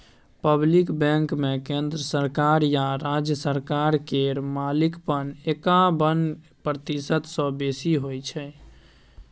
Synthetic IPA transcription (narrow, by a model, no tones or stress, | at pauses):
pəblikbɛ̃ŋkmekend̪ɾəsəɾkaɾjaɾad͡ʒjəsəɾkaɾkeɾmalikpənekabən | pɾət̪isət̪sə̃besiɦojt͡ʃʰɛ